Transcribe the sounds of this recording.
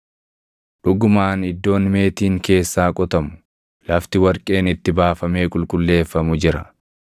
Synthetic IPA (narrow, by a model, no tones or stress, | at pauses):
ᶑʊɡʊmaːnɪd̪ːo̞ːnme̞ːt̪iːŋke̞ːsːaːkʼɔt̪ɐmʊ̥ | lɐft̪ɪwɐɾkʼe̞ːnɪt̪ːɪbaːfɐme̞ːkʼʊlkʼʊlːe̞ːfːɐmʊd͡ʒɪɾɐ